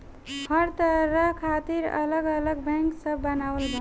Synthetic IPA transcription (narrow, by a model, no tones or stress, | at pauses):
pʰʌɾt̪ɾʌkʰat̪iɾʌ̰lʌɡʌlʌɡbaŋksʌbːʌnawəlbʌ